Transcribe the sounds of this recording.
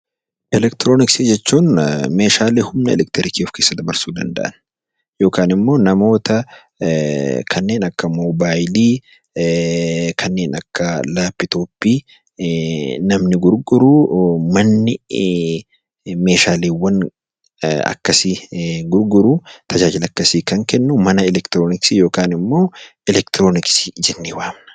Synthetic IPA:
ʔɛlɛkt̪ɪɾo̞ːnɪksɪd͡ʒɛt͡ʃːuːnme̞ːʃaːleːhʊmnɐɛ̰lɛk̚t̪ɛɾɪkefke̞ːsːɐd̪ɐbɐɾsuːd̪ɐ̰nd̪ɐ̰ʔɐn | jo̞ːkaːnɪmːo̞ːnɐmo̞ːt̪ɐ | kʰɐnːe̞ːnɐkːɐmoːbaːjliː | kʰɐnːe̞ːnɐkːɐlaːpːɪt̪oːpːiː | nɐmnɪɡʊɾɡʊɾumɐnːɪ | me̞ːʃaːliːwːɐn | ɐ̰kːɐsiɡʊɾɡʊɾut̪ɐd͡ʒaːd͡ʒɪlɐkːɐsiːkɐŋkɛnːʊmɐnɐɛlɛkt̪ɾoːnɪksijo̞ːkaːnɪmːo̞ːɛlɛkt̪ɾoːnɪksi̥d͡ʒɛnːiwaːmnɐ̥

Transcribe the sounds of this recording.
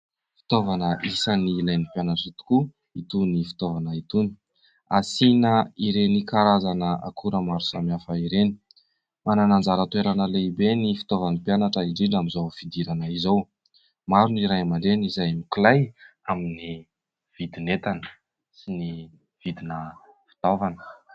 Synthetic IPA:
fi̥t̪ovanəʔisənilajnipjanaʈ͡ʂit̪u̥ku | it̪unifi̥t̪ovanəit̪uni̥ | a̰sinəiɾenikaɾazanəʔa̰kʰuɾəmaɾu̥samafaiɾeni̥ | mananand͡zaɾət̪weɾanəleibenifi̥t̪ovanipjanaʈ͡ʂəiɖ͡ʐiɖ͡ʐamizawfid̪iɾanaizow | maɾuniɾajmaɳɖ͡ʐenizajmikilaj | amini | v̥id̪inet̪anə | sini | v̥id̪inə | fi̥t̪ovanə̥

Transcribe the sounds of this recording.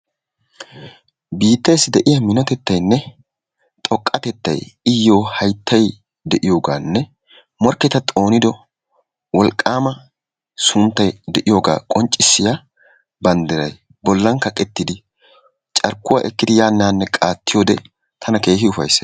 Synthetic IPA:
biːt̪ːejsɪd̪ɛʔɪjɐmɪnɔt̪ɛt̪ːɐjnːɛ | t̪ʼɔkʼːɐt̪ɛt̪ːɐ̰jɪjːo̞ːhɐjt̪ʰːɐj | d̪ɛʔɪjo̞ːɡaːnːɛ | mɔɾkːɛt̪ɐt̪ʼo̞ːnɪd̪ɔ | wɔlkʼːaːmɐ | sʊnt̪ːɐjd̪ɛʔɪjo̞ːɡa̰ːkʼɔnt͡ʃʼːɪsːɪja | bɐnd̪ɪɾɐj | bɔlːɐŋkːɐkʼɛt̪ːɪd̪ɪ | t͡ʃʼɐɾkːʊwa̰ːʔɛkːɪd̪ɪjaːnːaːnːɛkʼaːt̪ːɪjo̞ːd̪ɛ | t̪ʰɐnɐke̞ːɦɪʊfɐ̰js

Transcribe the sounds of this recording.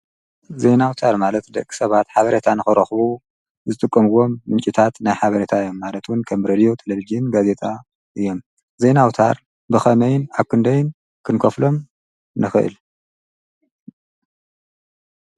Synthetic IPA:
ze̞nawt̪ʰaɾmalɐt̪d̪ɐ̰kʼi̥sɐβat̪ħaβɐɾet̪ʰanɨxɨɾɐxβu | zɨt̪ʼɨkʼːɐmɨwo̞mːɨnt͡ʃʼit̪ʰat̪najħaβɐɾet̪ʰaɨjːo̞mːalɐt̪wʊnkʰɐmɾed̪ijo̞t̪ʰelɐvid͡ʒijɪnɡaze̞t̪ʰʼa | ʔɨjːo̞m | ze̞nawt̪ʰa̰ɾ | bɨxɐmɐjɪnaβkʰɨnd̪ɐjɪn | kʰɨnkʰɐflo̞m | nɨxɨʔɨ̰l

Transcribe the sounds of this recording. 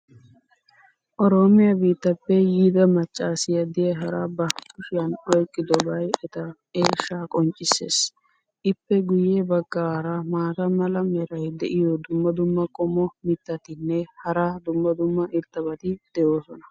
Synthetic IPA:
ʔɔɾo̞ːmɪjɐbiːt̪ːɐpːɛjiːd̪ɐmɐt͡ʃʼːaːsɪjɐd̪ɪjɐɦɐɾaːbɐkʊʃɪjɐnɔjkʼːɪd̪ɔbɐjɛt̪ɐ | eːʃːaːkʼɔnt͡ʃʼːɪsːḛːs | ʔɪpːɛɡʊjːeːbɐɡːaːɾɐmaːt̪ɐmɐlɐmɛɾɐjd̪ɛʔɪjɔd̪ʊmːɐd̪ʊmːɐkʼɔmɔmɪt̪ːɐt̪ɪnːɛhɐɾad̪ʊmːɐd̪ʊmːɐʔɪɾt̪ːɐbɐt̪ɪd̪̥ɛʔo̞ːsɔnɐ̥

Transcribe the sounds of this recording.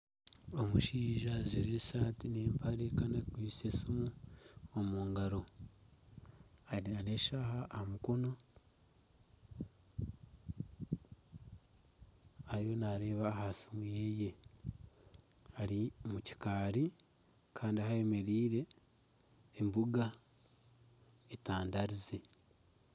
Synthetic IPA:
o̞muʃiːʒaziɾesaːtineːmpʰaɾekanakwiːsesimuomuːŋɡaɾo̞ | aɾinaneʃaːhaʔːmukono | aɾijo̞naɾe̞ːβahasimujeːje̞ | aɾimuci̥kaːɾi | kʰaːndiahae̞me̞ɾiːɾe̞ | mbuɡa | etaːndaɾize

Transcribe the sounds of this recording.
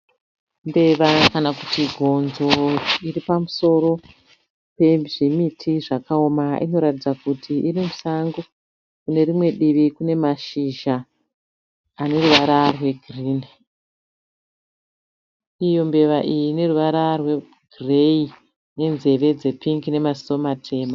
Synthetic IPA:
mbe̞ʋakanakutiɡʱo̞nzo̞iɾipamuso̞ɾo̞ | pe̞ʐimitʰiʐakao̞maḭno̞ɾatid͡zakutʰiʔirimusaŋɡo | kune̞rimwe̞ɗiʋikune̞maʃiʒa | ne̞ruʋaɾarwe̞ɡʱriːni | ijo̞mbe̞ʋaʔijine̞ruʋaɾarwe̞ | ɡrei | ne̞nze̞ʋe̞d͡ze̞piŋɡine̞masiso̞matʰe̞ːma

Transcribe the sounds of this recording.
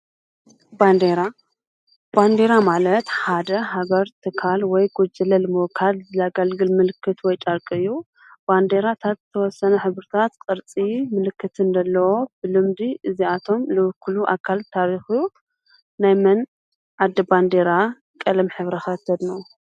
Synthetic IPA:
band̪eɾa | b̥and̪e̞ɾamalɐt̪ħad̪ɐɦaɡɐɾt̪ʰɨkʰalwɔjɡod͡ʒɐlɐlmokʰalzɨlaɡɐlɡɨlmɨlɨkʰːɨt̪wɔjt͡ʃʼɐɾkʼɨɨjːu | b̥and̪eɾat̪ʰat̪z̥ɨt̪ʰɐwɔsːɐnɐħɨβɾɨt̪ʰat̪kʼɨɾt͡sʼimɨlɨkʰːɨt̪ɨnd̪ɐlːɐwo̞b̥ɨlɨmd̪iʔɨziat̪ʰo̞mlɨwʊkːɨluʔa̰kʰːalt̪ʰaɾixuu | najmɐn | ʕad̪ːɐband̪eɾa | kʼɐlɐmħɨβɾɐxɐt̪ʰːɐd̪nu

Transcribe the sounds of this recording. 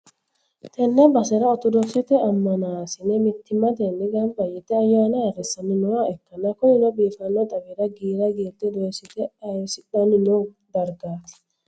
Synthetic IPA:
t̪ɛnːɐbɐsɛɾɐɔt̪ɔd̪ɔksɛt̪ɛɐmːɐnaːsɪnɛmɪt̪ːɪmːɐt̪ɛnːɪɡɐmbɐjɪt̪ɛɐjaːnɐɐrːɛsːɐnːɪnʊwaɛkːɐnːɐkɔmɪnɔbiːfɐnːɔt̪ʼɐbiɾɐɡiːɾɐɡeːt̪ːɛd̪osɪt̪ɛsɪᶑɐnɪnɔ | d̪ɐɾɡaːt̪ɪ̥

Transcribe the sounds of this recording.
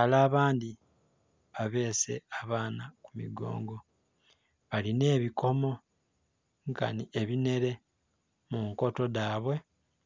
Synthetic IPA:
alaːβaːndi | βaβe̞ːse̞̰aβaːnakumḭɡo̞̰ːŋɡo̞ | βaline̞ːβiko̞mo̞ | ŋka̰nie̞βine̞ɾe̞ | muŋko̞to̞daːβwe̞

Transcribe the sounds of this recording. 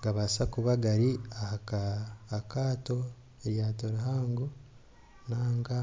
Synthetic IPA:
ɡaβasakuβaɡaɾiahakaːkaːto̞ | eɾjaːtoɾuɦaːŋɡu | naːŋɡa

